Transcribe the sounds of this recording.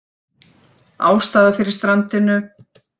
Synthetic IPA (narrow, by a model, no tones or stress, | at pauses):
aːwst̪aːðafɪɾɪɾst̪ɾant̪ɪnʏ